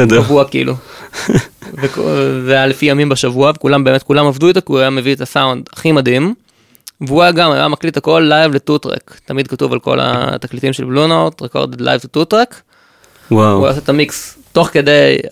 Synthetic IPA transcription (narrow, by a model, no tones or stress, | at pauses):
ʃdavuakiḭlʔu | vekvealefijamimbaʃavuavekulambe̞met̚kulamavduit̪akiuajame̞vietasawndaχimadim | veuajaɡama̰ja̰maklitako̞lːajvletutʁḛktamid̪̚katuva̰lko̞̰la̰t̪aklitimʃelblunot̪ʁeko̞̰ʁd̪ed̪la̰jvtututʁek | wawuaja̰set̪amiksto̞χke̞de̞j